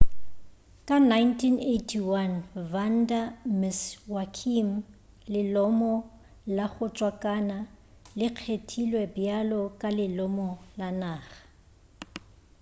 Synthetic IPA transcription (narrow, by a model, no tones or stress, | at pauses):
kʼanajntʰinetʰiwanvan̩damɪswakʰim̩ | lɪlɔmɔ | laχʊt͡ʃʼwakʼana | lɪq͡χʰetʰilwɛbjalɔkʼalɪlɔmɔlanaːχḁ